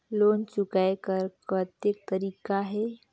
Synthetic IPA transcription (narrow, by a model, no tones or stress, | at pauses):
loːnt͡ʃʊkaekəɾkət̪ek̚t̪əɾiːkaɦɛː